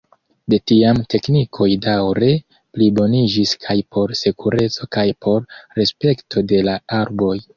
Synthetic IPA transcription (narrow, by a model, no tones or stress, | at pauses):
de̞tiamte̞knikʰo̞jdawɾe̞ | plibo̞nid͡ʒiskʰajpʰo̞ɾsekuɾe̞t͡so̞kajpʰo̞ɾɾe̞spe̞ktʰo̞de̞laaɾbo̞j